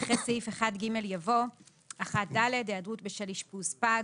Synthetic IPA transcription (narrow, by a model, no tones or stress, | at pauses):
χet͡siifeχadɡime̞ljavo̞ | aχat̚dale̞deadʁutbeʃaliʃpuspa